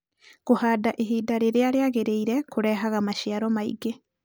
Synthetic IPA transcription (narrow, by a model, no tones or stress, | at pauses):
ɣohaːdaʔeɦiːdaɾeɾeaɾeaɣeɾeiɾɛkoɾɛɦaɣamaʃjiaɾɔmaḭɡe